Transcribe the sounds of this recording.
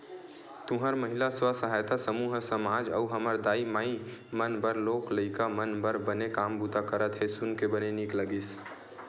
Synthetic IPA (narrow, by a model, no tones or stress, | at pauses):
t̪ʊ̃ɦəɾməɦilaswasəɦajt̪asəmuːɦsəmad͡ʒəuɦəməɾd̪aːimaimənbəɾloːkləɪkamənbəɾbənekambut̪akəɾət̪ɦesunkebənenikləɡis